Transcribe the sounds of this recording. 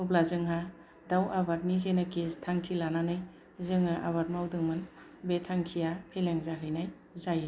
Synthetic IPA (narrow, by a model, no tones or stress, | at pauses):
nublazɯŋɦa | dawʔabat̚nizenakestʰaŋkʰilananɯj | zɯŋɯʔa̰βat̚mawdɯŋmɯn | betʰaŋkʰijapʰeleŋzaɦɯjnaj | zaje